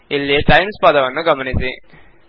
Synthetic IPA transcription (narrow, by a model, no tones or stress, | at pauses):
ɪlːeʈɐjmspaːd̪ɐʋɐnːɯ̃ɡɐmɐnɪsĩ